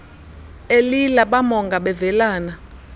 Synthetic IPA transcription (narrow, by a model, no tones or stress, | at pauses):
elilaɓamɔŋɡaɓɛvɛlaːna